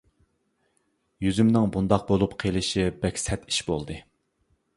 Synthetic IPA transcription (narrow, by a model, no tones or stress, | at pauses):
jyzymnɪŋbund̪ɑq̚bolˠupqʰelˠɪʃibɛkʲsɛt̪i̥ʃbolˠd̪ɨ